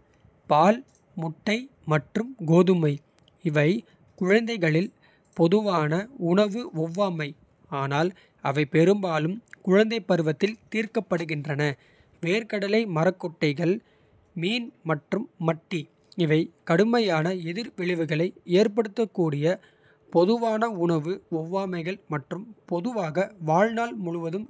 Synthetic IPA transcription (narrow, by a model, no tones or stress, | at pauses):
paːl | mʊʈːɐɪmɐʈrɯmɡoːðɯmɐɪ | ɪʋɐɪ | kʊɻɐnd̪ɐɪɣɐɭɪl | pɔðɯʋaːnɐʊɳɐʋɯɔʋːaːmɐɪ | aːnaːl | ɐʋɐɪpɛɾɯmbaːlɯmkʊɻɐnd̪ɐɪpːɐɾɯʋɐt̪ːɪlt̪iːrkɐpːɐɽɯɣɪndrɐnɐ | ʋeːɾkɐɽɐlɐɪmɐrɐkːɔʈːɐɪɣɐɭ | miːnmɐʈrɯmːɐʈːi | ɪʋɐɪkɐɽɯmɐjaːnɐɛðɪɾʋɪɭɪʋɯɣɐɭɐɪeːɾp̬ɐɽɯt̪ːɐkːuːɽɪjɐ | pɔðɯʋaːnɐʊɳɐʋɯɔʋːaːmɐɪɣɐɭmɐʈrɯmpɔðɯʋaːɣɐʋaːɻnaːlmʊɻʊʋɐðɯm